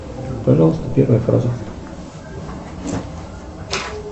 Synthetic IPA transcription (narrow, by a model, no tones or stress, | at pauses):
pɐʐɑlˠəst̪əpʲervəjəfɾa̰zə